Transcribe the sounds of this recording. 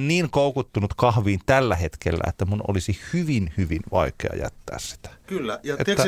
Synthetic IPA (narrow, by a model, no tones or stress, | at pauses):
nniːŋkoˑukut̪ːunut̪kɑhʋiːnt̪ælːæhet̪kelːæ̰ḛt̪ːæmuno̰lisihyʋinhyʋinʋɑ̰ikḛɑ̰jæ̰t̪ːæ̰ːssi̥t̪æ̥kylːæjet̪ːæ